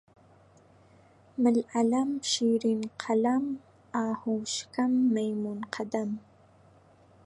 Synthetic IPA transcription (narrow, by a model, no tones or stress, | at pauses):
mɪlalamʃiɾinqʰalam | aːhuʃkamːajmunqʰad̪am